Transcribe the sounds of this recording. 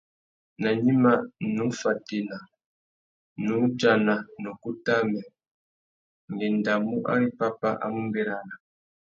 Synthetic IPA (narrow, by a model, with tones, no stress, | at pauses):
na˨ɲi˦ma˦nu˦fa˨ti˦˨na˨ | nu˦d͡ʒa˦˨na˨nɔ˨ku˦ta˦mɛ˨ | ŋɡɛ˨n˨da˨mu˦ʔa̰˦ɾi˦pa˦pa˦ʔa̰˦mu˦mbɛ˦ɾa˦na˨